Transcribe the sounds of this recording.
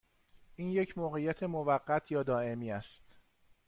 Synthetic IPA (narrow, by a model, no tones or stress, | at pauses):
ʔiːnje̞cʰmoːɣejæt̪ʰe̞movæɢːæt̪ʰjɒːd̪ɒːe̞miːæst̪